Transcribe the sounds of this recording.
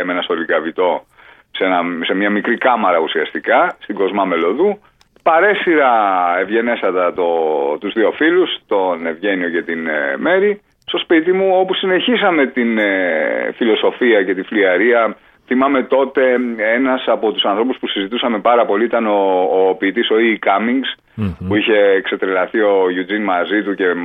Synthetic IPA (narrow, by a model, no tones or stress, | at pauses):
menɐso̞likɐvit̪o̞ | se̞nɐse̞mɲɐmikɾikɐmɐɾɐusiɐst̪ikɐst̪iɡo̞zmɐme̞lo̞ðu | pɐɾe̞siɾɐe̞vʝe̞ne̞sɐt̪ɐt̪o̞t̪uzðio̞filust̪o̞ne̞vʝe̞nio̞ce̞t̪inme̞ɾi | st̪o̞spit̪imuo̞pusine̞çisɐme̞t̪in | filo̞so̞fiɐce̞t̪ifliɐɾiɐ | θimɐme̞t̪o̞t̪e̞e̞nɐsɐpo̞t̪u̥sɐnθɾo̞puspusizit̪usɐme̞pɐɾɐpo̞liit̪ɐno̞ːpiːt̪iso̞ikɐmiŋɡs | puiçe̞ːkse̞t̪ɾelɐθio̞ʝud͡zinmɐzit̪uce̞